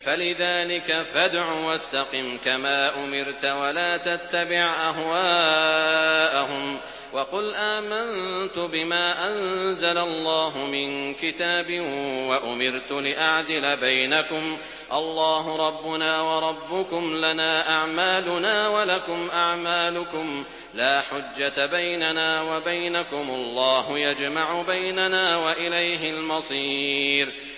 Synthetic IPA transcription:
falɪðaːlɪkafad̪ʕuːwast̪ɑqɪmkamaːʔʊmɪɾt̪walaːt̪at̪ːabɪʕʔaɦwaː | ʔaɦʊm | wɑqʊlʔaːmant̪ʊbɪmaːʔanzalalˤːɑːɦʊmɪnkɪt̪aːbɪwaʔʊmɪɾt̪ʊlɪʔaʕd̪ɪlabajnakʊm | ʔɑlˤːɑːɦʊɾˤɑbːʊnaːwɑɾˤɑbːʊkʊmlanaːʔaʕmaːlʊnaːwalakʊmʔaʕmaːlʊkʊm | laːħʊd͡ʒːat̪abajnanaːwabajnakʊmʔɑlˤːɑːhʊjad͡ʒmaʕʊbajnanaːwaʔɪlajɦɪlmɑsˤiːɾ

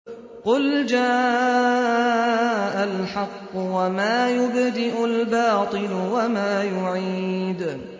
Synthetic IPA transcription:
qʊld͡ʒaː | ʔalħɑqːʊwamaːjʊbd̪ɪʔʊlbɑːt̪ˤɨlʊwamaːjʊʕiːd̪

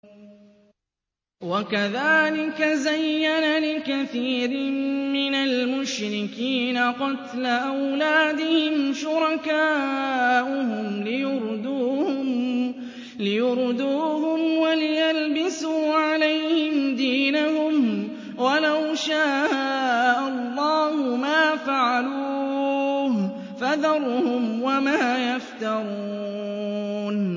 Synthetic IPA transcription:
wakaðaːlɪkazajːanalɪkaθiːɾɪmɪnalmʊʃɾɪkiːnaqɑt̪laʔawlaːd̪ɪhɪmʃʊɾˤɑkaːʔʊhʊmlɪjʊɾˤd̪uːhʊm | lɪjʊɾd̪uːɦʊmwalɪjalbɪsuːʕalajhɪmd̪iːnaɦʊm | walawʃaː | ʔalˤːɑːhʊmaːfaʕaluː | h | faðɑɾˤhʊmwamaːjaft̪ɑɾˤuuː | n

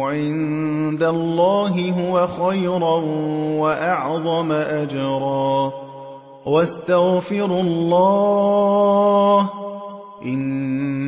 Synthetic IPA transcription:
ʕɪn | d̪alːɑːɦɪɦʊwaxajɾˤɑnwaʔɑʕðˤɑmaʔad͡ʒɾˤɑː | wast̪aɣfɪɾlˤːɑː | ʔɪn

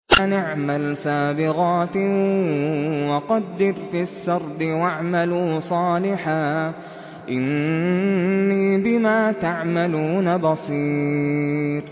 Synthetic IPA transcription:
anaʕmalsaːbɪɣaːt̪ | wɑqɑd̪ːɪɾfiʃːɑɾˤd̪ɪwaʕmaluːsˤɑːlɪħaː | ʔɪn | iːbɪmaːt̪aʕmaluːnabɑsˤiː | ɾ

